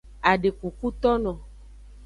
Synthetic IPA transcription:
a˨ɖe˨ku˨ku˦t̪ɔ˦nɔ̃˨

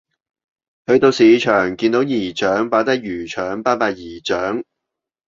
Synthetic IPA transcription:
hɵ˧ɥt̪o˧wsiː˨˧˥t͡ʃʰœː˨˩ŋkiː˧nt̪o˨˧˥wjiː˨˩t͡ʃœː˨˥ŋpaː˨˥t̪ɐ˥k̚jyː˨˩t͡ʃʰœː˨˥ŋpaː˥paː˧jiː˨˩t͡ʃœː˨˥ŋ

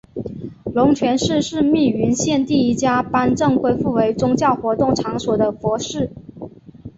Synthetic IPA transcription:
lʊ˧˥ŋt͡ɕʰɥɛ˧˥nʂɻ̩˥˧ʂɻ̩˥˧mi˥˩y˧˥nɕjɛ˥˧nt̪i˥˩i˥t͡ɕja˥pa˥nʈ͡ʂɤ˥˧ŋxwe˥ɪfu˥˩we˧˥ɪʈ͡ʂʊ˥ŋt͡ɕjɑ˥˩ʊxwɔ˧˥t̪ʊ˥˩ŋʈ͡ʂʰɑ˧˥ŋswɔ˨˩d̪ə˦fwɔ˧˥ʂɻ̩˥˩

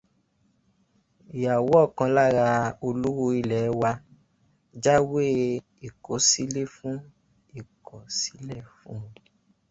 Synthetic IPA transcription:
i˨ja˨wɔ˨˦˨kã˧la˦ɾa˧o˧lu˦wo˦˧i˧˨lɛ˨˦wa˧ | d͡ʒa˦we˦ | i˨ko˨˦si˦le˦fũ˦ | i˦˨kʰɔ˨si̥˨˦lɛ˦˨fũ˦˧

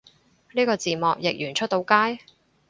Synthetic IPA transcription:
niː˥kɔː˧t͡siː˨˩mɔː˨k̚jɪ˨k̚jyː˨˩nt͡ʃʰɵ˥t̚t̪o˨˧˥wkaː˥j

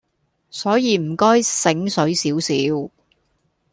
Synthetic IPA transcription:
sɔː˨˥jiː˨˧m̩˨˩kɔː˥jsɪ˨˥ŋsɵ˨˥ɥsiː˨˥wsiː˨˥w

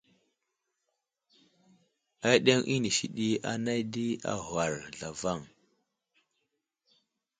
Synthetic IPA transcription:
a˦ɗe˦ŋʔi˦ni˨ʃi˨ɗi˦a̰˨na˦jdi˦a̰˨ɦwa˨ɾɮa˨va˦˨ŋ

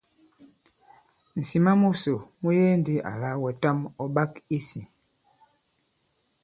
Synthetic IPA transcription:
n̩˨si˨ma˦mu˦so˨mu˦je˦ndi˦ʔa̰˨la˦wɛ˨ta˦mɔ˦ɓa˦ki˦si˨

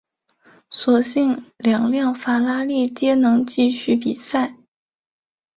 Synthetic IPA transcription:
swɔ˨˩ɕi˥˩ŋljɑ˨˩ŋljɑ˥˩ŋfa˧˥la˥li˥˩t͡ɕjɛ˥nɤ˧˥ŋt͡ɕi˥˧ɕy˥˩pi˨˩sa˥˩ɪ

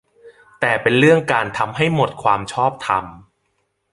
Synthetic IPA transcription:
t̪ɛː˨˩pe˧nɾɯ˥˩əŋkaː˧nt̪ʰa˧mɦa˥˩jmo˨˩t̪̚kʰwaː˧mt͡ɕʰɔː˥˩p̚t̪ʰa̰˧m

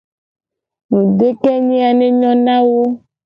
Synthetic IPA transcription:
nũ˨ɖe˦kɛ˦ɲĩ˦a˨nẽ˦ɲɔ̃˦nã˦wo˦

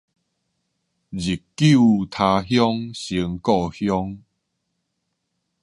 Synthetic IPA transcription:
d͡ʑi˨˩kːu˥˨t̪ʰa˧ɦjɔ˦ŋɕi˧əŋkɔ˥˧hjɔ˦ŋ

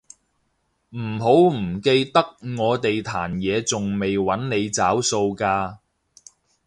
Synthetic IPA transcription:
m̩˨˩ɦo˨˥wm̩˨˩ke˧jt̪ɐ˥k̚ŋɔː˨˧t̪e˨jt̪ʰaː˨˩njɛː˨˧t͡sʊ˨ŋme˨jwɐ˨˥nne˨˧jt͡saː˨˥wso˧wkaː˧

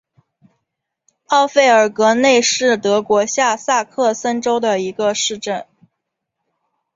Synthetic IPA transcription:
ɑ˥˧ʊfe˥˩ɪə˞˨˩kɤ˧˥ne˥˧ɪʂɻ̩˥˩t̪ɤ˧˥kwɔ˧˥ɕja˥˧sa˥˧kʰɤ˥˩sə˥nʈ͡ʂo˥ʊd̪ə˨i˧˥ɡə˧ʂɻ̩˥˧ʈ͡ʂə˥˩n

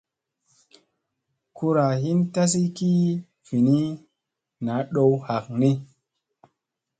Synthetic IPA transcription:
ku˧ɾa˨ɦi˦nta˦s̬i˦ki˦ | fi˨ni˦ | na˨˦ɗo˧wha˨k̚ni˦

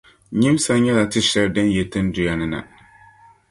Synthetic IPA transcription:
ɲɪ˦m˦sa˦ɲɛ˦la˨tɨ˦ʃɛ˦ldɨ˦n˦jɛ˨tɨ˦n˦dʊ˨ja˨nɨ˦na̰˨

